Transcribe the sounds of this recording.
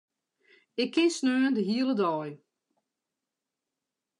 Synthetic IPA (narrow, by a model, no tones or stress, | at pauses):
ɪkʰːɪnsnøːəndəɦiələdɔːj